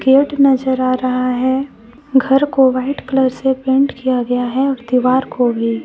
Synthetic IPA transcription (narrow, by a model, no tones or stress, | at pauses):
ɡeːɖnɐzəɾaːɾɐɦaɦɛ | ɡʱɐɾkoʋaːɪʈkləɾsepẽːɳʈkijaɡɐjaɦɛɔːɾd̪iʋaːɾkʰobʱiː